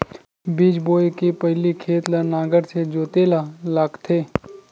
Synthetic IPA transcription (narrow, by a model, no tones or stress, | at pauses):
biːd͡ʒboːekepɐɦlikʰeːt̪lənaːɡəɾsed͡ʒoːt̪elalaːkt̪ʰeː